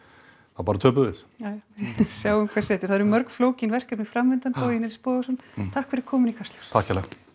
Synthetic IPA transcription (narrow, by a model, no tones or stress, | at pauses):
θapaːɾat̪ʰœːp̬ʏvɪsaɪsjaːwʏmkʰḁsɛːt̪ɪɾ̥θaðɾmœɾkfloːwcɪnvɛr̥kɛpnɪfɾamvɪnt̪anfʰainɛɾispɔːðsɔnt̪ʰahkfɪɾɪ̥ɾ̥kʰɔːmʏnikʰast̪laɾ̥t̪ʰahkcɛlɛ